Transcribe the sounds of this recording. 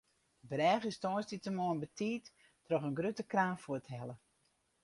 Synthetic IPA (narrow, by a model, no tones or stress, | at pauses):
brɛːɣəstɔːstitəmoənbətʰiːt | trɔχənɡrøtəkraːfuəthɛlə